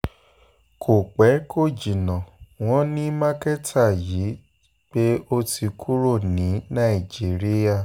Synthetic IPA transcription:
kʰo˨k͡pɛ˨˦kʰo˦˨d͡ʒi˨nɔ̃˨w̃ɔ̃˦nĩ˦mã˦kɛ˦tʰa˦˨ji˨˦ | k͡pe˦o˦tʰi˧kʰu˦ɾo˦˨nĩ˨˦nã˦˨i˨d͡ʒi˨˦ɾi˦ja˦˨

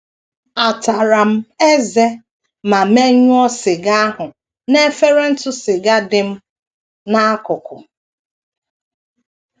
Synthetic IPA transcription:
a˨ta˨ɾa˨m̩˦e˦ze˦ | ma˨m̩˦e˦ɲʊ˦ɔ˦sɪ˨ɡa˦ɦʊ˨ | ne˦fe˦ɾe˦n̩˦tʊ˦sɪ˨ɡa˦dɪ˨m̩˦ | na˦kʊ˨kʊ˨

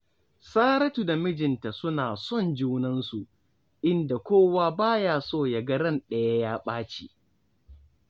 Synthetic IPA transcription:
saː˦ɾɐ˦tu˨da˨mɪ˦d͡ʒɪ˨nta˨sʊ˦naː˨sɔ˦nd͡ʒuː˦nɐ˦nsu˨ | ʔɪ˦nda˨kʷoː˦waː˦baː˦jaː˦soː˦ja˨ɡɐ˦ɾɐ˦˨nɗɐ˨ja˦jaː˦ɓaː˦t͡ʃi˨

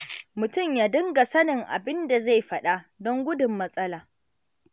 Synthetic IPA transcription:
mʊ˨tʊ˦˨mjaː˦dɪ˦ŋɡa˨sɐ˦nɪ˨ŋʔa̰˨bɪ˦nda˨za˦˨jɸɐ˦ɗa˦dɔ˦ŋɡʷʊ˦dʊ˨mːɐ˦sʼɐ˦laː˨

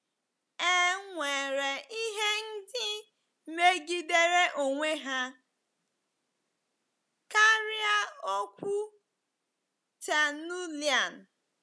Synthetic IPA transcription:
e˦ŋʷe˨ɾe˨i˦ɦe˦n̩˦dɪ˦ | me˦ɡi˦de˦ɾe˦ʔo˨ŋʷe˦ɦa˦ | ka˦ɾi˦a˦o˦kʷu˦ | t͡ʃa˨nu˦li˨a˨n˨

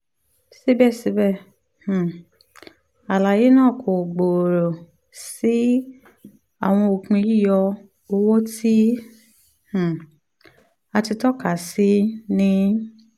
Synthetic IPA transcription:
si˦bɛ˦˨si˨˧˦bɛ˦˨ | h̩˨ | a˨la˨je˨˦nãː˦˨kʰo˨ɡ͡bo˨ɾo˨ | si˦ | a˨w̃ɔ̃˧o˨kũ˧i˦˨jɔ˧ | o˧wo˦ti˦ | h̩˨ | a˧ti˧tɔ˦ka˨si˨˦nĩ˦

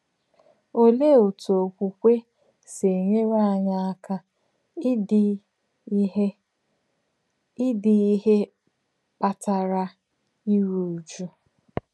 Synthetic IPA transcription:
o˦le˦o˨tu˨o˨kʷu˨kʷe˦ | se˨ɲe˦ɾa˦a˨ɲa˦a˦ka˦ | ɪ˦di˨˦he˦ | pa˨ta˨ɾa˦ | i˦ɾu˨d͡ʒu˦

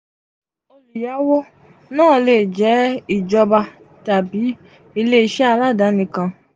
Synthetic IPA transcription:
o˧li˨ja˨˦wo˦ | nãː˦˨leː˨d͡ʒɛ˨˦i˨d͡ʒɔ˧ba˧ | ta˨bi˨˦ | i˧le˦i˧˦ʃɛ˦a˧la˦˨da˨˦nĩ˧kã˧

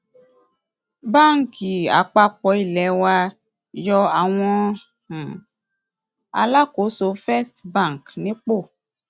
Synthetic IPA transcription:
ba˦˨ŋ˨ki˨a̰˨k͡pa˧k͡pɔ˨˦i˦˨lɛ˨˦wa˧ | jɔ˧a˨w̃ɔ̃˧˦ | ã˨ | a̰˧la˦ko˨˦so˧˦fɛ˦stba˦˨ŋ˨knĩ˨˦k͡po˦˨

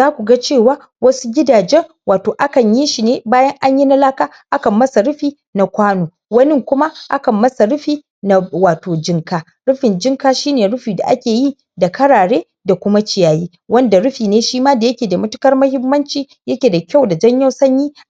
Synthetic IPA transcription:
zaː˦kʷu˨ɡa˦t͡ʃeː˦˨waː˦ | wɐ˦su˦ɡʲɪ˦daː˨d͡ʒɛ˦ŋ | waː˨toː˨ʔa˦kɐ˨ɲji˦ʃi˨neː˦baː˦jɐ˦ŋʔa˦ɲji˦na˦laː˦kaː˦ʔa˦kɐ˨mːɐ˦sa˨ɽʊ˦ɸiː˨ | na˨kʷaː˦noː˨ | wɐ˦nɪ˦ŋkʷʊ˦ma˦ʔa˦kɐ˨mːɐ˦sa˨ɽʊ˦ɸiː˨ | na˨waː˨toː˨d͡ʒɪ˦ŋkaː˦ | ɽʊ˦ɸɪ˨nd͡ʒɪ˦ŋkaː˦ʃiː˦neː˨ɽʊ˦ɸiː˨da̰˨ʔa˦kʲeː˨ji˦˨ | da˨kɐ˦ɽaː˨ɽeː˦ | da˨kʷʊ˦ma˦t͡ʃɪ˨jaː˨jiː˦ | wɐ˦nda˨ɽʊ˦ɸiː˨neː˦ʃiː˦maː˦da˨jɐ˦kʲeː˨da˨mʊ˦tʊ̥˦kɐ˦rmɐ˦hɪ˦mːɐ˦nt͡ʃiː˨ | jɐ˦kʲeː˨da˨kʲa˦˨wda˨d͡ʒɐ˦ɲja˦wsɐ˦ɲjiː˦

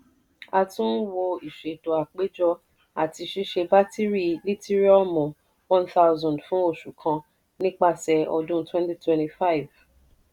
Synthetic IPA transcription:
a˧tũ˦n˦wo˧i˨ʃe˨to˨a˨k͡pe˦d͡ʒɔ˧˦ | a˨ti˧ʃi˦ʃe˧ba˦ti˦ɾi˦li˦ti˦ɾi˦ɔ˦mɔ̃˨ | wɔ̃˦nθa˦ʊzɔ̃˨ndfũ˨˦o˦˨ʃu˨kʰã˧ | nĩ˦k͡pa˦˨sɛ˨ɔ˧dũ˦twɛ̃˦nti˦twɛ̃˦nti˧fa˦i˨v

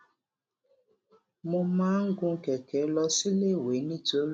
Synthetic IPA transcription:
mʊ̃˧mã˦ŋ̩˦ɡʊ̃˦ŋ̩˦ke˨ke˨˦lɔ˦si˦le˦˨we˨˦nĩ˦to˦l

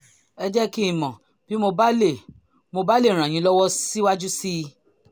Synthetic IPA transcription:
ɛ˧d͡ʒɛ˦ki˦i˦˨mɔ̃˨ | b̥i˦mo˧ba˦le˦˨ | mo˧ba˦le˦˨ɾ̃ã˨j̃ĩ˧˦lɔ˦wɔ˦si˦wa˦d͡ʒu˦si˦˧

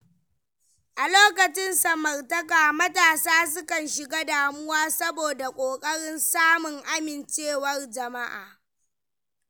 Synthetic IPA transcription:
ʔa˨loː˦kɐ˨t͡ʃɪ˦nsɐ˨mɐ˨rtɐ˦kaː˨mɐ˦taː˨saː˦s̬ʊ˦kɐ˨nʃɪ˨ɡa˦daː˨mʊ˦waː˦sɐ˦boː˨da˨kʷʼoː˨kʼɐ˦ɽɪ˦nsaː˦mʊ˨ŋʔa˦mɪ˨nt͡ʃeː˦˨wɐ˦rd͡ʒɐ˨ma˦ʔa̰ː˨

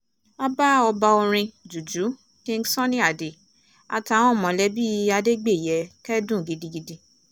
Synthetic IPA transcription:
a˦ba˦ɔ˧ba˧o˧ɾ̃ĩ˧d͡ʒu˨d͡ʒu˨˦ | kĩ˦n̩˦sɔ̃˦nĩ˦a˨de˨ | a̰˧˨ta˨w̃ɔ̃˦˨mɔ̃˨lɛ˨˦bi˦˧˦a˧de˦ɡ͡be˦˨jɛ˨˦kɛ˦dũ˦˨ɡi˧di˧ɡi˧di˧

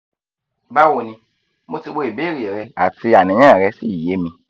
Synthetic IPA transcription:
ba˦wo˧nĩ˧ | mo˦˧ti˧ɡ͡bo˧˦e˨be˦˨ɾi˨ɛ˨ɾɛ˧a˨ti˧a˨nĩ˨˦ã˦ɛ˨ɾɛ˧si˦˨je˨˦mĩ˧

